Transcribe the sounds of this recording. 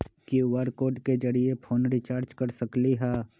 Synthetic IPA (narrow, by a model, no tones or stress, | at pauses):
kiʋaɾkoːɾɖked͡ʒɐɾiepʰoːnɾit͡ʃaːɾd͡ʒkɐɾsɐkliɦɛː